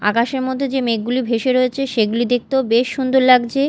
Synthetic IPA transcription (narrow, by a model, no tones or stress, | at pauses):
a̰kaʃeɾmɔd̪ʱːed͡ʑemeɡulibʱeʃeɾoet͡ɕʰeʃeɡulid̪ek̚t̪obeʃːund̪oɾlaɡd͡ʑe